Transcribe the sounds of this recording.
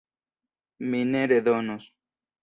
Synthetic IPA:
minẽɾeðonos

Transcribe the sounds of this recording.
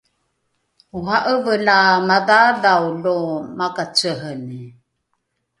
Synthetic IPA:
uɦaʔəvəlamaðaðawlomakat͡səɦəni

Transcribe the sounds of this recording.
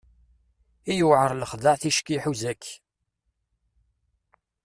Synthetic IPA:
ijʊʕəɾˤləχðəʕθiʃkiħuzækː

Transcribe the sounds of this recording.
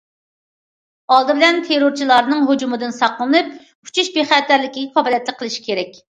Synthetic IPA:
ɑlˠd̪ɨbɪlɛnt̪ʰeɾoɾt͡ʃʰilˠɑɾnɨŋɦod͡ʒumɨd̪ɨnsɑqlˠɨnɨp̚ | u̥t͡ʃʰuʃbeχæt̪æɾlɪkʲiɡʲɛfʰɑblˠjɛt̪lɪk̚ʲqʰːəlˠɨʃi̥kʲʰeɾɛkʲ

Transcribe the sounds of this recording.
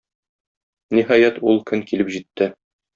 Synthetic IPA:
niɦɑjæt̪ulˠkɵŋkilɘpʑit̪ːɘ

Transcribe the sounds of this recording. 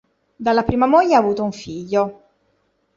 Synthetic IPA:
d̪alːapɾiːmamoʎːaːvuːt̪ouɱfiʎːo

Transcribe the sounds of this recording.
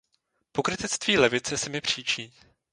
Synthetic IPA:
po̞kɾɪt̪ɪt͡st̪viːlɛvɪt͡sɛsɪmɪpr̝̥iːt͡ʃiː

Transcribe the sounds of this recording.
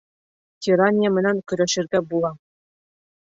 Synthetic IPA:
tʲiɾɑnʲemʲɘ̆nʲænʲkʲɵ̆ɾʲɘ̆ɕɘ̆rʲɡʲæbulˠɑ

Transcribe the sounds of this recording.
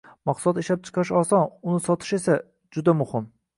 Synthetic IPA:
mɑqslɒt̪eʃlap̚t͡ʃʰɨ̥qʰɑɾɪʃɒsɒnʊnɪsɒt̪ʰɪ̥ʃe̞sa | d͡ʒʊd̪amʊhɪm

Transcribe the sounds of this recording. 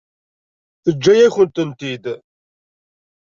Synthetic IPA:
θəd͡ʒːæjæçənt̪ənt̪id̪

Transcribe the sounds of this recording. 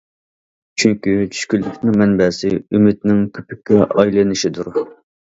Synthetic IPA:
t͡ʃʰyŋkʲyt͡ʃʰy̥ʃkʲylːykʲnɪŋmɛnbɛsɪymɪt̪nɪŋkʲʰøpɪkʲːɛʔɑjlˠɨnɪʃid̪uɾ

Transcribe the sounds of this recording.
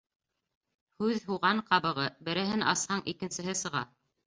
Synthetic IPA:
hʉðhuʁɑɴqɑβɤ̆ʁɤbɘ̆ɾɘ̆ɦɘnʔɑshɑɴʔikɘ̆nsɘ̆ɦɘsɤ̆ʁɑ̰

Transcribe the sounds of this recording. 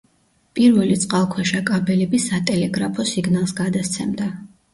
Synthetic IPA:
pʼiɾvɛlit̪sʼqʼalˠkʰwɛʃakʼabɛlɛbisat̪ʼɛlɛɡɾapʰɔsiɡnalˠsɡad̪ast̪sʰɛmd̪a

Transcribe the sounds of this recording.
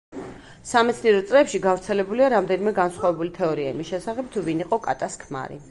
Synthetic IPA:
samɛt̪sʰniɛɾɔt̪sʼlɛːpʃiɡavɾt̪sʰɛlɛbuliaɾamd̪ɛnimɛɡansχwavɛbulit̪ʰɛɔɾiaimisʃɛsaχɛb̚t̪ʰuviniqʼɔkʼat̪ʼaskʰma̰ɾḭ

